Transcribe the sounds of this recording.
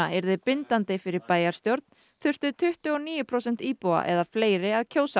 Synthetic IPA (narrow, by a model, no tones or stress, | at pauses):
aɛɾðɪpɪnt̪ant̪ɪfɪɾɪɾpaːjaɾst̪jowɾt̪̚n | θʏr̥t̪ʏt̪ʰʏht̪ʏɔniːjʏpʰɾowsɛn̥t̪iːpowa̰ʔɛ̰ðafleːjɾɪaðcʰoːwsa